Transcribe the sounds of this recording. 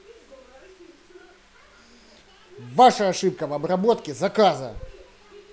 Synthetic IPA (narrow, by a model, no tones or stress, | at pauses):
vaʂɐɐʂɨp̚kəvɐbɾɐbot̪kʲɪzɐkazɐ̰